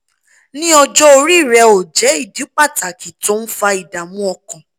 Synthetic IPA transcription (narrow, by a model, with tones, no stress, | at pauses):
nĩ˦ɔ˧d͡ʒɔ˦o˧ɾi˦˨ɾɛ˧o˨d͡ʒɛ˨˦i˦˨di˨˦k͡pa˦˨ta˨ki˨to˨˦n̩˦fa˧i˨da˨mũ˦ɔ˧kɔ̃˨